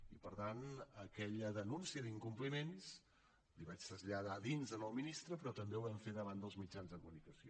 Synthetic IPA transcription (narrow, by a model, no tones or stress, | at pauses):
ipəɾt̪anəkɛʎəðənunsiəðiŋkumplimens | liβat͡ʃt̪əzʎəð̞aðinzənəlwminist̪ɾəpɾɔt̪əmbewβɛɱfeðəβand̪əlˠzmid͡ʒanzðəkumunikəsio